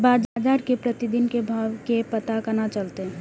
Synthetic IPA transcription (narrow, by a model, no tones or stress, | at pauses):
baːd͡ʒad͡ʒaːɾkepɾət̪id̪inkebʱaʋkepət̪akənat͡ʃəlt̪eɦ